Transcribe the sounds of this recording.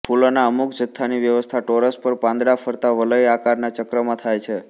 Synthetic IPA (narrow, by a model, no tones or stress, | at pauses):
pʰulonaəmukd͡ʒət̪ʰːaniʋjəʋəst̪ʰaʈoɾəspəɾpãnd̪ɾafʰəɾt̪aʋələjakaɾnat͡ʃəkɾəmãt̪ʰajt͡ʃʰe